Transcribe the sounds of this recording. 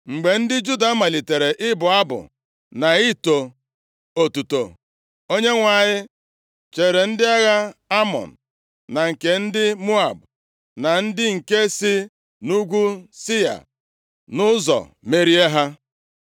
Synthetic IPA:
ŋ͡m̩˨ɡ͡be˨n̩˦dɪ˦d͡ʒu˦da˨˦ma˨li˨te˨ɾe˨ʔɪ˦bʊ˨a˦bʊ̰˨ | na˨i˦to˨ | o˨tu˨to̰˨ | o˦ɲe˦ŋʷa˨ɲɪ˦ | t͡ʃe˨ɾe˨n̩˦dɪ˦a˦ɣa˦a˦mɔ̰˨n̩˨ | na˨ŋ̩˨ke˨n̩˦dɪ˦mu˦a˨b | na˨n̩˦dɪ˦ŋ̩˨ke˦si˦ | nu˦ɡʷu˦sɪ˦ja̰˨ | nʊ˦zɔ̰˨ | me˦ɾi˦e˦ɦa˦

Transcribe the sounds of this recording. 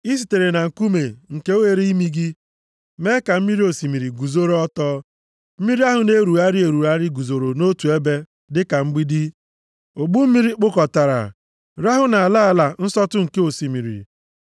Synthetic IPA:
i˦si̥˨te˨ɾe˨na˨ŋ̩˨ku˦me˨ŋ̩˨ke˦o˦we˨ɾe˦i˦mi˦ɡi˦ | me˦ka˨m̩˦mi˦ɾi˦o˨si˨mi˨ɾi˨ɡu˨zo˦ɾo˦ɔ˦tɔː˦ | m̩˦mi˦ɾi˦a˦ɦʊ˨ne˦ɾu˨a˦ɾi˦e˨ɾu˨a˦ɾɪ˦ɡu˨zo˨ɾo˨no˦tu˨e˦be˦ | dɪ˦ka˨ŋ͡m̩˦ɡ͡bi˦di˦ | o˨ɡ͡bu˦m̩˦mi˦ɾi˦k͡pʊ˦kɔ˨ta˨ɾa̰˨ | ɾa˦ɦʊ˦na˨a˨la˦a˨la˨n̩˦sɔ˦tʊ˦ŋ̩˨ke˦o˨si˨mi˨ɾḭ˨

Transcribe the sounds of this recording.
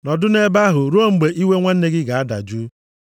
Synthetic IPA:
nɔ˨dʊ˦ne˦ba˦ɦʊ˨ɾo˦ŋ͡m̩˨ɡ͡be˨ʔi˦we˦ŋʷa˦n̩˦e˦ɡɪ˦ɡa˨a˦da̰˨d͡ʒu˦

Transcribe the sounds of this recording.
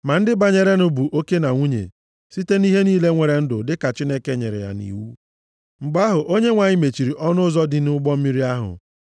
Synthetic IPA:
ma˨n̩˦dɪ˦ba˨ɲe˨ɾe˦nʊ˦bu˨ʔo˦ke˦na˨ŋʷu˦ɲḛ˨ | si˦te˦ni˦ɦe˦niː˦le˦ŋʷe˨ɾe˨n̩˦dʊ˨dɪ˦ka˨t͡ʃi˦ne˦ke˦ɲḛ˨ɾḛ˨ja̰˨nḭ˨wu˦ | ŋ͡m̩˨ɡ͡ba˦ɦʊ˨ʔo˦ɲe˦ŋʷa˨ɲɪ˦me˨t͡ʃi˨ɾi˨ʔɔ˦nʊ˦ʊ˦zɔ˦dɪ˨n˦ʊ˦ɡ͡bɔ˦m̩˦mi˦ɾi˦a˦ɦʊ̰˨

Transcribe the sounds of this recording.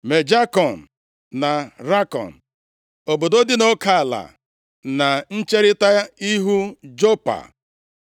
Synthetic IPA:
me˨d͡ʒa˦kɔ˨n̩˨ | na˨ɾa˦kɔ̰˨n̩˨ | o˨bo˨do˦dɪ˦no˦ka˨a˨la̰˨ | na˨n̩˦t͡ʃe˦ɾɪ˦ta˦i˦ɦu˦d͡ʒo˦pa̰˨

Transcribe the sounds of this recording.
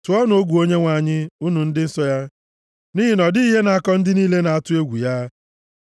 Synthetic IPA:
tʊ˨˦ɔ˦no˨o˦ɡʷu˨o˦ɲe˦ŋʷa˨a˨ɲɪ˦u˦nu˨n̩˦dɪ˦n̩˦sɔ˦ja˦ | ni˦ɦɪ˦nɔ˨di˦i˦ɦe˦na˨a˨kɔ˦n̩˦dɪ˦niː˦le˦na˨a˦tʊ˦e˦ɡʷu˨ja˦

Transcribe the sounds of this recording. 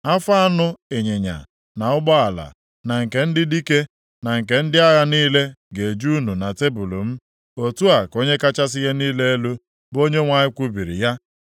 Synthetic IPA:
a˦fa˦a˦nʊ˦e˨ɲe˨ɲa̰˨ | na˨ʊ˦ɡ͡bɔ˦a˨la̰˨ | na˨ŋ̩˨ke˨n̩˦dɪ˦di˦ke˦ | na˨ŋ̩˨ke˨n̩˦dɪ˦a˦ɣa˦niː˦le˦ɡe˨d͡ʒu˦nu˨na˨te˦bu˨lo˨m̩˦ | o˨tu˦a˨ko˦ɲe˦ka˦t͡ʃa˦sɪ˦ɣe˦niː˦le˦e˦lu˦ | bo˦ɲe˦ŋʷa˨ɲɪ˦kʷu˦bi˨ɾḭ˨ja˦

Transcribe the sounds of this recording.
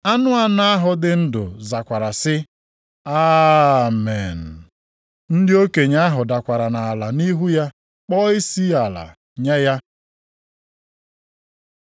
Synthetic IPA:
a˦nʊ˦a˨na˦a˦ɦʊ˨dɪ˦n̩˦dʊ̰˨za˨kʷa˨ɾa˨sɪ˦ | aː˦me˨n̩˨ | n̩˦dɪ˦o˦ke˨ɲa˦ɦʊ˨da˨kʷa˨ɾa˨na˨a˨la˨ni˦ɦu˦ja˦ | k͡pɔ˦ɪ˦si˦a˨la̰˨ | ɲɛ˦ja˦

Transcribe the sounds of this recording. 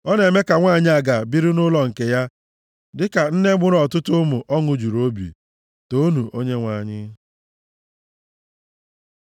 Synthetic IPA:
ɔ˦ne˨me˦ka˨ŋʷaː˦˨ɲɪ˦a˨ɡa˨bi˦ɾi˦nʊ˦lɔ˨ŋ̩˨ke˨ja˦ | dɪ˦ka˨n̩˦ne˦ɡ͡bʊ˦ɾɔ˨tʊ˦tʊ˦mʊ˨ʔɔ˦ŋʊ˨d͡ʒu˨ɾo˦bḭ˨ | to˦nu˨ʔo˦ɲe˦ŋʷa˨ɲɪ˦

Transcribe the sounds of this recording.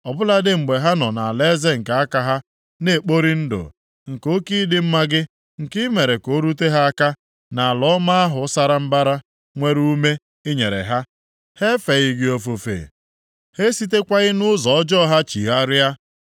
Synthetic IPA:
ɔ˨bʊ˦la˦dɪ˦ŋ͡m̩˨ɡ͡be˨ɦa˦nɔ˨na˨a˨le˦ze˦ŋ̩˨ka˨a˦ka˨ɦa˦ | ne˦e˨k͡po˦ɾi˦n̩˦do̰˨ | ŋ̩˨ko˦ki˦dɪ˦m̩˦ma˦ɡɪ˦ | ŋ̩˨kɪ˦me˨ɾe˨ko˨˦ɾu˦t̬e˦ɦa˦a˦ka˦ | na˨lɔ˦ma˦a˦ɦʊ˨˦sa˦ɾa˦m̩˦ba˦ɾa˦ | ŋʷe˦ɾu˦me˦ | ɪ˦ɲe˨ɾḛ˨ɦa˦ | he˦fe˨ɣɪ˦ɡɪ˦o˦fo˨fḛ˨ | he˦si˦t̬e˦kʷa˦ɣɪ˦nʊ˦zɔ˨ɔ˦d͡ʒɔ˦ɦa˦t͡ʃi˨ɦa˦ɾja˦

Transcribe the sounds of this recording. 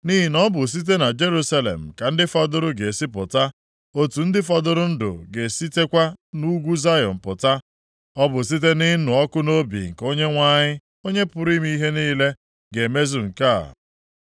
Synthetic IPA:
ni˦ɦi˨nɔ˦bʊ˨s̬i˦t̬e˦na˨d͡ʒe˦ɾu˦sa˦lḛ˨m̩˨ka˨n̩˦dɪ˦fɔ˦dʊ˦ɾʊ˦ɡe˨si˦pʊ˨ta˦ | o˦tu˨n̩˦dɪ˦fɔ˦dʊ˦ɾʊ˦n̩˦dʊ̰˨ɡe˨si˦te˦kʷa˦nu˦ɡʷu˦za˦jɔ̰˨m̩˨pʊ˨ta˦ | ɔ˦bʊ˨s̬i˦t̬e˦nɪ˦nʊ˨ɔ˦kʊ˦no˦bḭ˨ŋ̩˨ko˦ɲe˦ŋʷa˦ɲɪ˦ | o˦ɲe˦pʊ˨ɾi˦m˦i˦i˦ɦe˦niː˦le˦ | ɡe˨me˦zu˨ŋ̩˨ka̰˦˨

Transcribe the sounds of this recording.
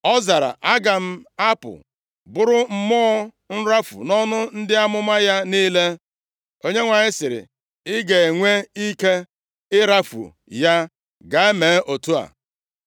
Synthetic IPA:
ɔ˦za˨ɾa̰˨ʔa˦ɡa˨m̩˦a˦pʊ̰˨ | bʊ˦ɾʊ˦m̩˦mɔ˦ɔ˦ | n̩˦ɾa˦fṵ˨nɔ˦nʊ˦n̩˦dɪ˦a˦mʊ˦ma˦ja˦niː˦le˦ | o˦ɲe˦ŋʷa˨ɲɪ˦sɪ˨ɾɪ̰˨ | ɪ˦ɡe˨e˨ŋʷe˦i˦ke˦ | ɪ˦ɾa˦fṵ˨ | ja˦ | ɡa˨e˦me˨˦ʔo˨tu˦a̰˨

